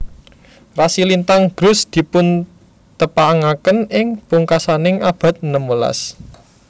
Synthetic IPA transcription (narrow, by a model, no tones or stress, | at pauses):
rasilint̪aŋɡ̥ɾʊ̤sd̪̥i̤pʊn | t̪əpaŋakənɪŋpuŋkasanɪŋab̥a̤t̪̚nəmula̰s